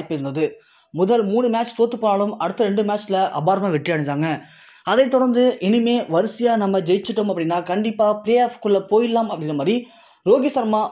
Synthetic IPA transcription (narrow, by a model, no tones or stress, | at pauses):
pːɪɾɯnd̪ɐðɯ | mʊðɐlmuːɳɯmaːt͡ʃːt̪oːt̪ːɯpːoːnaːɭɯmɐɽɯt̪ːɐɾɛɳɖɯmaːt͡ʃːɪlɐʔɐ̰baːɾɐmaːʋɪʈːɪjaːɽɐɲd̪aːŋɡɐ | ɐðɐɪt̪ːɔɽɐɾnd̪ɯʔɪnɯmeːʋɐɾɯsɪjaːnɐmːɐd͡ʒɛjt͡ʃːɪʈːɯmɐpːɐɽɪnːaːkɐɳɖɪpːaːpleːaːfkɯɭːɐpoːjɪlːaːmɐpːɐɽɪnːɐmaːd̪ɾi | ɾoːɣisɐɾmaː